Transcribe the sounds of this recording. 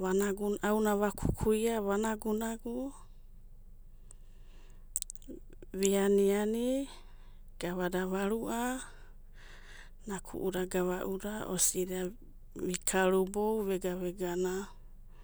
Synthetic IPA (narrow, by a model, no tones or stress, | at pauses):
βanaɡuawnaβakʰu̥kʰuiaβanaɡunaɡu | βianiani | ɡ̥aβadaβaɾuʔa | nakʰṵʔuɾaɡaβaʔuɾaʔosida | βikʰaɾubowβeɡaβeɡana